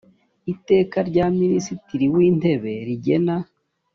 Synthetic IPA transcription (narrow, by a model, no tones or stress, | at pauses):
ite̞ːkaɾɟaːminisitiɾiwiːn̥de̞βe̞ɾiɟe̞na